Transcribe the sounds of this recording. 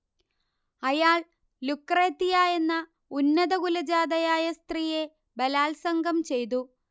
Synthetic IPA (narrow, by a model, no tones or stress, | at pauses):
ɐjaːɭ | lukːreːt̪ːijaːe̞nːɐ | unːɐðɐɡulɐd͡ʑaːd̪ɐjaːjɐst̪rije̞ | bɐlaːlsɐŋɡɐmt͡ɕe̞jt̪̬u